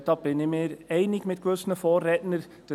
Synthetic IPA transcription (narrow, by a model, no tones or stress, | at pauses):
d̥̪ɑːb̥ɪnɪmeːɾɛɪnɪɡmɪtkʋɵsənəfɔːrːɛtnəɾ | d̥ə